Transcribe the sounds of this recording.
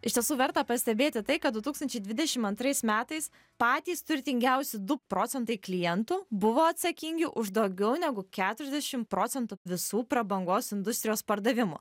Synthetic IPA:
ɪʃt̪ʲiɛsuːʋʲɛɾt̪ɐpɐsʲt̪ʲɛbʲeːt̪ʲɪt̪ɐɪkɐt̪d̪ʊt̪uːkst̪ɐnʲt͡ʃʲɛɪd̪ʲʋʲɪd̪ʲɛʃʲɪmɐnt̪ɾɐɪsmʲæːt̪ɐɪs | pɑːt̪ʲiːst̪ʊɾʲt̪ʲɪŋʲɡʲɛʊsʲɪd̪ʊpɾoːt̪sʲɛnt̪ɐɪklʲɪjɛnt̪ʊbʊʋoːɐt̪sɐkʲiŋʲɡʲɪʔʊʒd̪oʊɡʲɛʊnʲɛɡʊkʲæːt̪ʊɾʲɛzd̪ʲɛʃʲɪmpɾoːsʲɛnt̪ʊʋʲɪsuːpɾɐbɐŋɡoːsɪnd̪ʊsʲt̪ʲɾʲɪjoːspɐɾd̪ɐʋʲɪmʊ̰

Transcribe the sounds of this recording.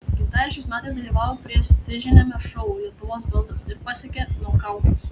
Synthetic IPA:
ɡʲɪnt̪ɑːɾʲɛt͡ʃʲɛɪsmʲæːt̪ɐɪsd̪ɐlʲiːʋɑːʋoːpʲɾʲiɛst̪ʲɪʒʲɪnʲomʲɛʃʊʊuːlʲiɛt̪ʊʋoːsbʲɪlˠt̪ɾɐsɪɾpɑsʲɛkʲeːnʊkɑʊt̪uːs

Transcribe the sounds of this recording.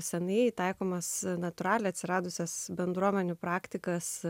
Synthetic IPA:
sʲɛnɐɪt̪ɐɪkoːmɐsnɐt̪ʊɾɑːlʲɛɐt̪sʲɪɾɑːd̪ʊsʲɛsbʲɛnd̪ɾuɔmʲɛnʲʊːpɾɑːkt̪ʲɪkɐs

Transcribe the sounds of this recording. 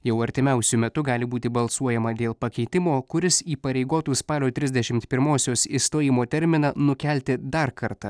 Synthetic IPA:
jɛʊɐɾʲt̪ʲɪmʲɛˑʊsʲʊmʲɛt̪ʊɡɑːlʲɪbuːt̪ʲɪbɐlˠsuɔjɛmɐd̪ʲeːlˠpɐkʲɛɪt̪ʲɪmoːkʊɾʲɪsiːpɐɾʲɛɪɡoːt̪uːspɑːlʲoːt̪ʲɾʲɪzʲd̪ʲɛʃʲɪmt̪pʲɪɾmoːsʲoːsiːst̪oːjɪmoːt̪ʲɛɾʲmʲɪnɑnʊkʲɛlʲt̪ʲɪd̪ɐɾkɐɾt̪ɑ

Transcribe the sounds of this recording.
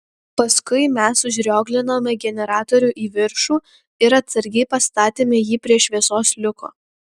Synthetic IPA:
pɐskʊɪmʲɛsʊʒʲɾʲoːɡlʲɪnoːmʲɛɡʲɛnʲɛɾɑːt̪oɔɾʲuʔiːʋʲɪɾʃuː | ɪɾɐt̪sɐɾʲɡʲɛɪpɐst̪ɑːt̪ʲeːmʲɛjiːpʲɾʲiɛʃʲʋʲiɛsoːslʲʊko̰ː

